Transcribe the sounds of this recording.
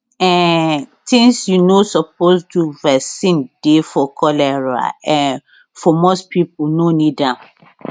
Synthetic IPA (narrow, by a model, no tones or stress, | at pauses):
ɛ̃ntʰĩŋsjunosɔp̚ostʰuvɛsĩnd̥efɔkʰɔlɛɹa̰ɛ̃n | fɔmospʰipunonidãm